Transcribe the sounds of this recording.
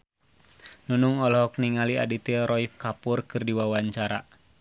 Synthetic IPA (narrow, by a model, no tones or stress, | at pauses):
nunuŋɔlɔɦɔk̚niŋalia̰dit̪iɾɔifkapʊrkɨrdiwawaɲt͡ʃaɾa